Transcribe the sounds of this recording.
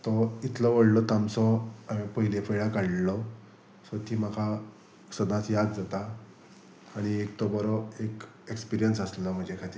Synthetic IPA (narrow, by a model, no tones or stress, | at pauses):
t̪ɔit̪ʰlɔʋəɽlɔt̪amsɔamipəɦilefʰəjɭakaɽlɔ | sɔt̪ʰiːmakʰa | səd̪ãt͡sjad̪d͡zat̪aː | ɽ̃iekt̪ɔbəɾɔek | ekspiɾijənsəslɔm̤əɳd͡ʑekʰat̪iːɾ